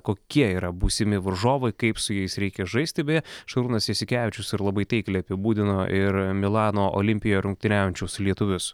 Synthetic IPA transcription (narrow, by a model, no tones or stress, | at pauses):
koːkʲiɛiːɾɐbuːsʲɪmʲɪʋɐɾʒoːʋɐɪkɐɪpsʊjɛɪsɾʲɛɪkʲɛʒɐɪsʲt̪ʲɪbʲɛjɛʃɐɾuːnɐsjɛsʲɪkʲæːʋʲɪt͡ʃʲʊsɪɾlˠɐbɐɪt̪ʲɐɪklʲɛɐpʲɪbuːd̪ʲɪnoːʔɪɾmʲɪlˠɑːnoːʔo̰lʲɪmʲpʲɪjoːɾʊŋk̚t̪ʲɪnʲæːjʊnʲt͡ʃʲɛʊslʲiɛt̪ʊʋʲʊs